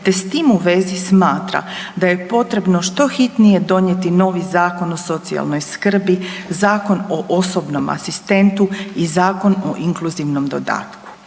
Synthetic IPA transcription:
t̪e̞st̪iːmuʋe̞zismaːt̪ɾa̰d̪aje̞po̞t̪ɾe̞bno̞ʃt̪o̞xit̪nije̞d̪o̞ɲjet̪ino̞ːʋizaːko̞no̞so̞t̪sia̰lno̞jskr̩bizaːko̞noʔoso̞bno̞ma̰sist̪e̞nt̪uizaːko̞noʔiŋkluziʋno̞md̪o̞d̪a̰ːt̪ku̥

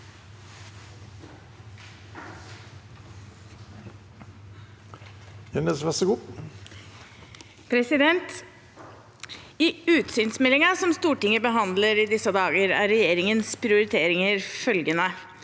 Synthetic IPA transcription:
jɛnəsʋæsəɡuː | pʰɾɛsɪd̪ɛnt̪ | ɪʉːt̪syːnsmɛlɪŋɑsɔmst̪uːʈɪŋəbəɦɑnd̪ləɾɪd̪ɪsəd̪ɑːɡəɾæ̰ɾɛjeːɾɪŋənspʰɾɪʊɾɪt̪ʰeːɾɪŋəɾfœlɡənə

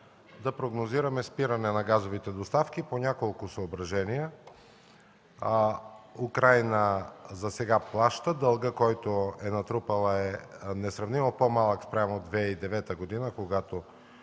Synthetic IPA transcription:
d̪ɐpɾoɡnoziɾɐmɛspiɾɐnɛnɐɡazovit̪ɛd̪ost̪afkiponʲakolˠkʊsɐobɾɐʒɛnijə | ukɾajnəzɐsɛɡaplˠaʃt̪əd̪ɐlˠɡəkɔjt̪oɛnɐt̪ɾupəlˠəɛnɛsɾɐvnimopomalˠəkspɾʲamod̪vɛid̪ɛvɛt̪əɡod̪inəkoɡat̪o

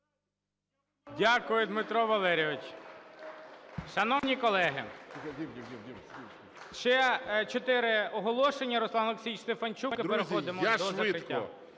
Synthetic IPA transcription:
dʲakʊjʊd̪mɪt̪ɾɔʋɐlˠɛɾʲɔʋɪt͡ʃʲ | ʃɐnɔwnʲikɔlˠɛɦɪ̰ | ʃt͡ʃɛt͡ʃɔt̪ɪɾɪɔɦɔlˠɔʃenʲːɐɾɔslˠɑnɐlˠeksʲijst̪efɐnt͡ʃukɪpeɾexɔd̪ɪmɔd̪ɔzɐkɾɪtʲːa

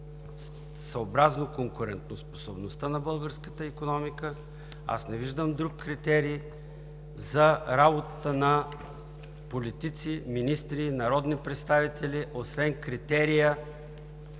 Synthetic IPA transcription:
sɐobɾaznokoŋkʊɾɛ̰nt̪nospo̥sobnost̪ənɐbɤlˠɡəɾskət̪əikonɔmikə | a̰snɛviʒd̪əmd̪ɾukːɾit̪ɛɾiː | zɐɾabot̪ət̪ənɐ | polit̪it̪siminist̪ɾinɐɾɔd̪nipɾɛt̪st̪avit̪ɛlʲiʔosvɛnkɾit̪ɛɾijə

